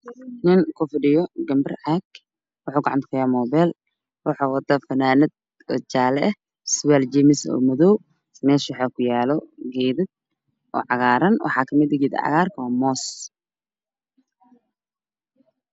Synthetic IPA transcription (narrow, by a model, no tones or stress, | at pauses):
nɪnkʰʊfɪɖɪjɔɡɐmbɪrʕaɡ | wɑħuːɡɑʕɑ̰nt̪kʰɐjaːmɔːbɛl | wɑħaːwɐd̪ɐfɐnaːnɪd̪̚ | ɔːt͡ʃaːlɛɛ | sɪwɛld͡ʒɛmɪsɔ̰ːmʊðɔw | mɛːʃwɑħaːkʰʊjaːlɔɡɛːðɪd̪̚ | ʔɔ̰ːʕɑɣaːɾɐnwʔɑ̰ħɑːkʰɐmɪd̪ɡiːd̪̰ʕɑ̰ɣaːrkʰɐwaːmɔːs